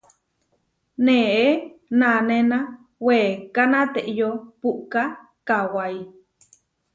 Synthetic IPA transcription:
nẽʔenanenã | weːkanãt̪eʔjopuʔka | kawaj

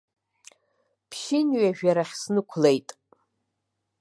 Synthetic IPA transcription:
pʰʃɪnɥaʒᶣaɾaχʲsnɨkʷʰlejtʼ

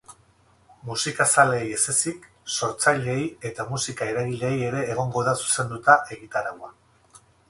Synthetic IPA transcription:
musikasale̞je̞se̞sik | so̞ɾt͡sajʎeje̞t̪amusikae̞ɾaɣile̞je̞ɾe̞ːɣ̞o̞ŋɡo̞ðasu̥se̞nd̪ut̪aʔe̞ɣ̞it̪aɾawa

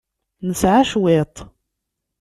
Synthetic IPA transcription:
nəsʕaʃwet̪ˤ

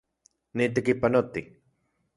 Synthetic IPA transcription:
nit̪̬ekipanot̪i

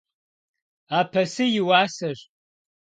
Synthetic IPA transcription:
aːpʰɐsɨjɪwaːsɐɕ

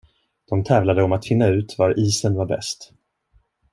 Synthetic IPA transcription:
d̪̥ɔmt̪ʰɛːvlad̪əɔmat̪fɪnːaʉ̟ːt̪vaɾʔiːsənvaɾbɛ̰st̪

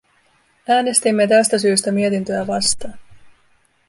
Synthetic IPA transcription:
æːne̞st̪imːe̞t̪æst̪æs̬yːst̪æmie̞t̪int̪ø̞æʋɑst̪ɑːn

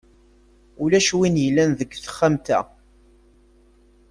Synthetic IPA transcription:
ulæʃwinjəlːænðəɡːθə̥χːamt̪æ̰

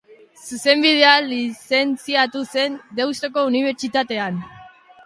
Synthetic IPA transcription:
suse̞mbið̞e̞alise̞nt͡siat̪use̞nd̪e̞wst̪o̞ko̞uniβ̞e̞ɾt͡ʃit̪at̪e̞an

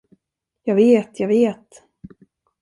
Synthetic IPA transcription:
jɑːɡveːt̪ʰjɑːɡveːt̪

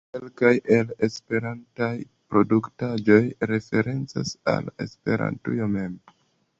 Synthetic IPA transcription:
kelkajʔe̞le̞spe̞ɾantaj | pɾo̞duktad͡ʒo̞jɾe̞fe̞ɾe̞nt͡sa̰sa̰le̞̰spe̞ɾa̰ntṵjome̞m

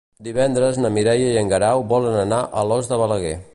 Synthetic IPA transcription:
d̪iβɛnd̪ɾəznəmiɾɛjəiəŋɡəɾawbɔlənənaʔəlɔzðəβələɣɛ̰

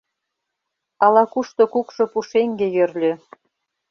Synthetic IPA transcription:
ɑlɑkuʃt̪okukʃŏpuʃeŋɡejørlʲø

